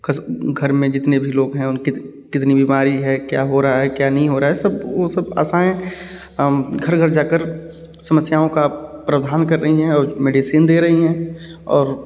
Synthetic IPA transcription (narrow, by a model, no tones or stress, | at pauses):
kɐsɡʱɐɾmẽd͡ʒɪt̪nebʱiloːɡɦɛ̃ʊnki | kɪt̪nibiːmaːɾiɦɛkja̰ːɦoɾaɦaɦɛkjaːnɐɦĩɦoːɾaaɦɛsɐbosɐba̰ːsaːẽ | ɡʱɐɾɡʱəɾd͡ʒaːkəɾ | sɐməsjaːõkapɾəd̪ʱaːnkɐɾːɐɦiɦɛ̃ɔːɾmeːɖisiːnd̪eːɾɐɦiɦɛ̃ːɔːɾ